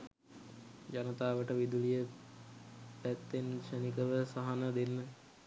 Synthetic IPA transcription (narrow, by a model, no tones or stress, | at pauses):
d͡ʒanət̪aːʋəʈəʋid̪ulijə | pæt̪ːenʃənikəʋəsaɦanəd̪enːə